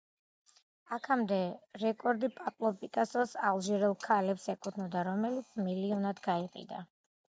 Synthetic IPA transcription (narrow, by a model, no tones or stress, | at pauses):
akʰamd̪ɛɾɛkʼɔɾd̪ipʼapʼlˠɔpʼikʼasɔsalˠʒɛɾɛlˠkʰalɛpsɛkʼut̪ʰnɔd̪aɾɔmɛlit̪sʰmiliɔnad̪ɡaiqʼḭd̪a̰